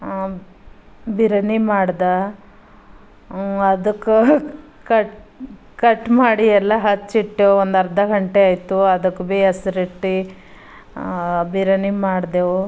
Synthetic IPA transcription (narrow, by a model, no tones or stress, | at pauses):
biɾɐnimaːɽd̪a | ɐd̪ɐkːu | kɐʈ | kɐʈːmaːɽiɛlːɐɦɐt͡ʃːiʈːeond̪ɐɾd̪ɐɡɐɳʈeaːjt̪uɐd̪ɐkːbeɐsɾiʈːi | biɾɐnimaːɽd̪eʋo